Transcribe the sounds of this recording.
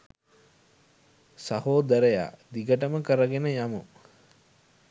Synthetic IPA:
sahoːd̪əɾeja̰ːd̪iɡəʈəməkəɾəɡenəjamu

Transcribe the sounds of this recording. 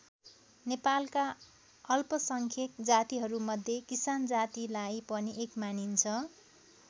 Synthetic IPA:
nepalka | ʌlpʌsʌŋkʰek̪d͡zat̪iɦʌɾumʌd̪ʱːjekisand͡zat̪ilajpʌniʔekmanint͡sʰʌ

